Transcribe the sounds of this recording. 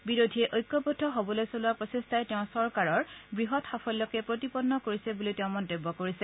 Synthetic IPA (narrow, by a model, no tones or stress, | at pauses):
biɹodʱiɛʔojkːɔpɔdʱːɔɦobɔlojsolʊapɹɔsestajteʊ̃sɔɹkaɹɔɹbɹiɦɔtxapʰɔlːɔkɛpɹot̬ipɔdnːɔkoɹisɛbuliteʊ̃mɔntebːɔkoɹisɛ